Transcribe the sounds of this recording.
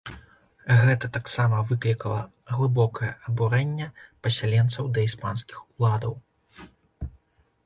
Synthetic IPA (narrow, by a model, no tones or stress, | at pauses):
ɣɛt̪ɐt̪aksamɐvɨklʲikɐlˠɐ | ɣlˠɨbɔkɐjɐɐbuɾɛnʲːɛpɐsʲalʲɛnt̪sɐwd̪ɐispanskʲixulˠad̪ɐw